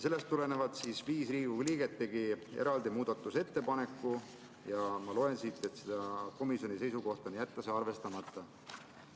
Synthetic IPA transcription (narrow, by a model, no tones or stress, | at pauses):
se̞lːest̪ːule̞nevɑd̪̥siːsviːsriːɡ̥uliːɡ̥e̞t̪ːe̞ɡieɾɑld̪̥imuːd̪̥ɑt̪ˑːuse̞t̪ːe̞pɑne̞kːˑu | jɑmɑloe̞nsiːt̪ːˑe̞t̪sed̪̥ɑko̞misjo̞nise̞jsuko̞ht̪onjæt̪ːɑseɑrve̞st̪ɑmɑt̪ːˑɑ